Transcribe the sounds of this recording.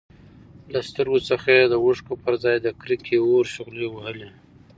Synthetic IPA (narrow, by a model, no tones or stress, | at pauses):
last̪əɾɡot͡səxad̪əwʊʂkopəɾzɑjd̪əkɾikʰeoɾʃʊɣlewəhəle